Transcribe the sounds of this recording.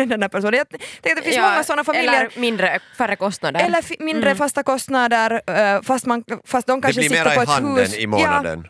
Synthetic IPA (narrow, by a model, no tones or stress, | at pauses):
ɛnd̪ɛndæɾpʰæʂuːnənjɑɡt̪ɛ̃ŋkat̪d̪fɪnssmɔŋːassɔnːafamilːjəɾmɪnd̪ɾəfœɾːəkɔst̪nad̪əɾɛlːəɾfmɪnd̪ɾəfast̪akɔst̪nad̪əɾfast̪manfast̪d̪ɔmkaʂəsɪtːɾːəpɔɛhʉːsnɪmojːɑnad̪ə̰n